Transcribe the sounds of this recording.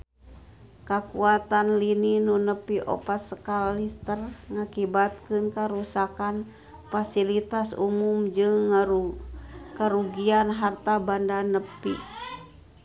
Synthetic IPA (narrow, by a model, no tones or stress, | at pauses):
kakuat̪anlininunəpiʔɔ̰pat̪̚səkalit̪ərŋakibat̪̚kɨnkaɾusakan | fasilit̪asṵmumd͡ʒɨŋ | kəɾuɡianɦart̪abandanəpḭ